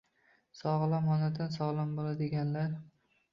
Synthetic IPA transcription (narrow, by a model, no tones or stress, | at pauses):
sɒʁlˠamɒnad̪ansɒʁlˠanbolad̪ɪɡʲanlaɾ